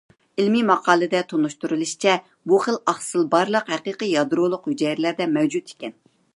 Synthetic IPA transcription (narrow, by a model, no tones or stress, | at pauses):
ilmimɑqʰɑːlˠɨd̪ɛt̪ʰonuʃt̪uɾɨlˠɨʃt͡ʃʰɛ | buχəlɑχsɨlˠbɑɾlˠəqhɛqiːqijɑd̪ɨɾulˠʊqhyd͡ʒɛjɾlæɾd̪ɛmɛwd͡ʒut̪e̥kʲɛn